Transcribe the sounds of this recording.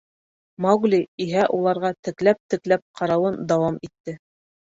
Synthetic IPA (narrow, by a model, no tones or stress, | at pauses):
mɑɡlʲiiɦæʔulˠɑɾʁɑt̪ɘ̆klæp̚t̪ɘ̆klæp̚qʰɑɾɑwɤnd̪ɑwɑmit̪ːɘ